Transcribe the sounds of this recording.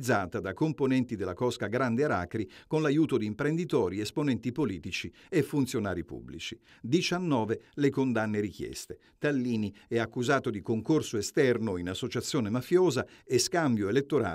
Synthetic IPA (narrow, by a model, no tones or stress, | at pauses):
d̪zːaːt̪ad̪akomponɛnt̪id̪elːakɔskaɡɾand̪eaɾa̰ːkɾikonlajuːt̪od̪iːmpɾend̪it̪ɔːɾiesponɛnt̪ipoliːt̪it͡ʃi | efːunt̪sjonaːɾipṵbːlḭt͡ʃi | d̪it͡ʃanːɔːvelekond̪anːeɾik̟jɛ̰st̪e | t̪alːiːniɛakːuzaːt̪od̪ikoŋkorsoest̪ɛrnoinasːot͡ʃat̪sːjoːnemafjoːzaeskambjoelet̪ːoɾa̰ː